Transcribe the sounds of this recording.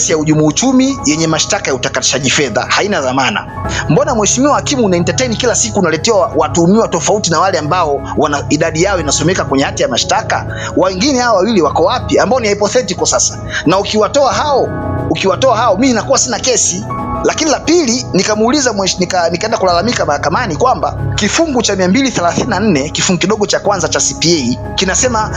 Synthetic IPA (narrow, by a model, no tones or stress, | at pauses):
sijauʄumuut͡ʃumijɛɲɛmaʃtakajautakatiʃaʄifɛða̰hainaðamana̰ | mbɔnamwɛʃimiwahakimuːnaintatɛjnikilasikuːnalɛtɛwawatumiwatɔfautinawalɛambaɔ | wanaiɗaɗijaɔinasɔmɛkakwɛɲɛhatijamaʃtaka̰ | wawɛŋɡinɛhawawawiliwakɔwapiambaɔniaipɔθɛtikɔsasḁ | naukiwatɔaɦaɔ | ukiwatɔahaɔminakuwasinakɛsilakinilapilinikamuːlizamwɛnikanikaɛndakulalamikamahakamanikwambakifuŋɡut͡ʃamiambiliθɛlaθininan̩nɛkifuŋɡukiɗɔɠɔt͡ʃakwanzat͡ʃasipiɛi | kinasɛma